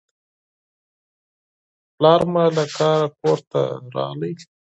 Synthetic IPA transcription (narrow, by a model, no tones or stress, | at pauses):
plɑːɾmalakɑːɾakoɾt̪a̰ɾɑ̰ləj